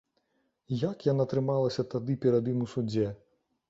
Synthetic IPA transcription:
jakjanat̪ɾɨmalˠɐsʲɐt̪ad̪ɨpʲɛɾad̪imusud͡zʲɛ

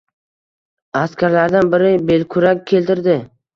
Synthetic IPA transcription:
askʲʰaɾlaɾd̪anbɪɾɪbelkʰʊɾakʲʰːe̞lt̪ɪɾd̪ɪ

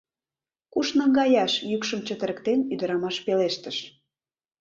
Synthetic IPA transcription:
kuʃnɤ̆ŋɡɑjɑʃjykʃəmt͡ɕət̪ə̆ɾə̆kt̪enyd̪ə̆ɾɑmɑʃpeleʃt̪ə̆ʃ

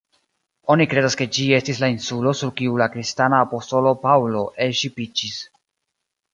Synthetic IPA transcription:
o̞nikɾe̞daske̞d͡ʒie̞stislainsulo̞suɾkiulakɾistanaːpo̞sto̞lo̞pawlo̞ʔe̞lʃipid͡ʒis

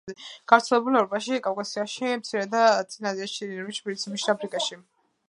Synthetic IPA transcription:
ɛɡ̥avɾt̪sʰɛlɛbulɛvɾɔpʼaʃikʼavkʼasiaʃimt̪sʰiɾɛd̪at̪ʼinaziaʃiinaɾmiʃpʰiɾit̪sʰimiʃɾapʰɾikʼaʃi

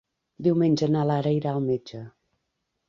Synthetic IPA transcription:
d̪iwmenʲd͡ʒənalaɾəiɾaəlˠmed͡ʒə

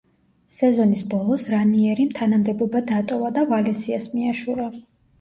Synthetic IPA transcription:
sɛzɔnisbɔlˠɔsɾaniɛɾimt̪ʰanamd̪ɛbɔbad̪at̪ʼɔvad̪avalɛsiasmiaʃuɾa

